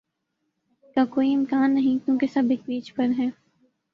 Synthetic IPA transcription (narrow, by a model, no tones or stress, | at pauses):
kaːkoːiɪmkaːnːɐɦĩkjõːkesɐbeːk̚biːt͡ʃpɐɾɦɛː